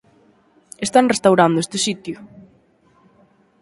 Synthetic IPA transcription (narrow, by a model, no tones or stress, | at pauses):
est̪anrest̪awɾand̪oʊest̪ɪsit̪jʊ